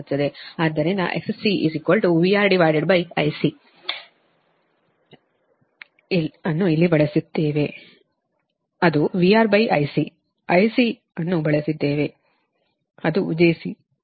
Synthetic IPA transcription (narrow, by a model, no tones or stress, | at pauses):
t̪ːɐd̪eaːd̪ɐɾenɐ̰ʔeksesiʔḭsikolʈuʋiaːɾɖiʋaːjɖeɖbɐjɐ̰jsi | ɐnːuilːibɐɭɐsit̪ːe̞ːʋe̞ | ɐd̪uʋiaːɾbɐjʔɐ̰jsi | ɐjsi | ɐnːubɐɭɐsid̪ːeːʋe̞ | ɐd̪uud͡ʒejsi